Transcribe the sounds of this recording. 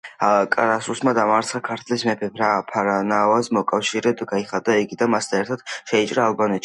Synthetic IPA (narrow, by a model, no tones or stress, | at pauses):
akʼaɾasusmad̪amaɾt̪sʰχakʰaɾt̪ʰlismɛpʰɛpɾapʰaɾanavazmɔkʼafʃiɾɛd̪ɡaiχad̪aiɡid̪anmasd̪ʰaɛɾt̪ʰad̪̥ʃɛit͡ʃʼɾaːlˠbanɛt̪ʃi̥